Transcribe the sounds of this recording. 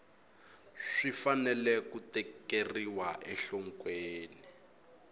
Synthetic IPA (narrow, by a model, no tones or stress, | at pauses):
ʂifanɛlɛkutɛkeriwaʔɛɬɔŋkweːni